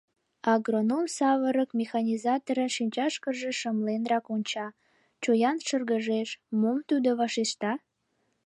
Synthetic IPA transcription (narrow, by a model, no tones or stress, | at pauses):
ɑɡronomsɑβəɾəkmʲexɑnʲizɑt̪oɾənʃinʲt͡ɕɑʃkəʒeʃəmlenrɑkonʲt͡ɕɑ | t͡ɕojɑnʃərɡəʒeʃmumt̪ud̪oβɑʃeʃt̪ɑ